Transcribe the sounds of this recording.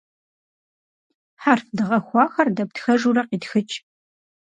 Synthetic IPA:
ħarfdɨʁɐxʷɑːxɐrdɐp̚txɐʒuːrɐqiːtxɨt͡ʃʼ

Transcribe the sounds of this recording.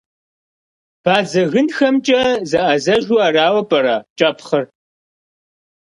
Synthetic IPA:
b̥aːd͡zɐɣɨnxɐmt͡ʃʼɐzɐʔɐzɐʒwaːraːwɐpʼɐɾaːt͡ʃʼɐpʰχɐr

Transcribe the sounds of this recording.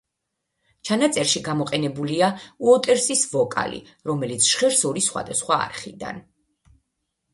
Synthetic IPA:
t͡ʃʰanat̪sʼɛɾʃiɡamɔqʼɛnɛbuliauɔt̪ʼɛɾsisvɔkʼa̰lḭ | ɾɔmɛlit̪sʰʃχɛɾsɔɾisχwa̰d̪asχwa̰ːɾχid̪a̰n

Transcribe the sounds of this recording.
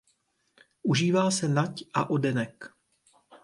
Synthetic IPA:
ʔuʒiːvaːsɛnacʔa̰ʔo̞dɛnɛk

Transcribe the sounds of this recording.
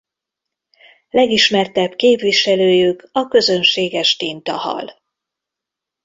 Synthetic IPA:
lɛɡiʃmɛrt̪ɛbkeːpʋiʃɛløːjykɒkø̞zø̞nʃeːɡɛʃt̪int̪ɒhɒ̰l

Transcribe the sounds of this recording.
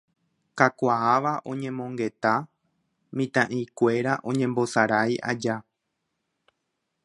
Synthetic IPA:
kakʷaaʋaʔõ̞ɲẽ̞mõ̞ŋɡe̞t̪a | mĩt̪ãʔikʷe̞ɾaʔõ̞ɲẽ̞mbo̞saɾajʔa̰d͡ʒa

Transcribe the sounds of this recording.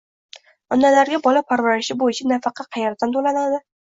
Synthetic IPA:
ɒnːalaɾɡʲabɒlapʰaɾvaɾɪʃɪbojɪt͡ʃʰanafɑqʰɑqʰɑjaɾd̪ant̪ʰolanad̪ɪ

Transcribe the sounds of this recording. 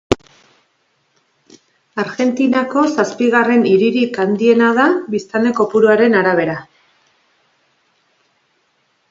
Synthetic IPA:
aɾɣe̞nt̪inako̞saspiɣ̞are̞niɾiɾikand̪ie̞naðaβist̪and̪e̞ko̞puɾuaɾe̞naɾaβ̞e̞ɾa

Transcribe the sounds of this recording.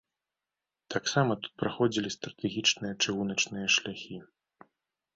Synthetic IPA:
t̪aksamɐt̪u̥t̪̚pɾaxɔd͡zʲilʲist̪ɾɐt̪ɛɣʲit͡ʂnɨjɐt͡ʂɨɣunɐt͡ʂnɨjɐʂlʲaxʲi

